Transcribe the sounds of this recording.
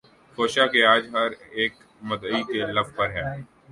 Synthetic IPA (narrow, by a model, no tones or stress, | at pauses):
foːʃakeaːd͡ʒɦɐɾeːk | mɐd̪əikelɐfpɐɾɦɛː